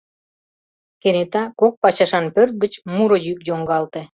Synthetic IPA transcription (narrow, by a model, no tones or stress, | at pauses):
kenet̪ɑkok̚pɑt͡ɕɑʃɑnpørt̪̚ɡət͡ɕmuɾŏjykjoŋɡɑlt̪e